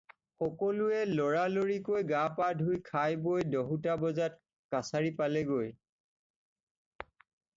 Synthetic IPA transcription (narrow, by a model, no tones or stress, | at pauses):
xɔkɔluɛlɔɹaloɹikojɡapadʱujkʰajbojdɔɦutabɔzat̚ | kasaɹipalɛɡoj